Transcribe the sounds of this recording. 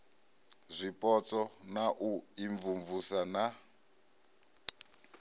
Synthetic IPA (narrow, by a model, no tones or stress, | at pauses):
zʷipʼɔt͡sʼɔnaʔuiɱvuɱvusana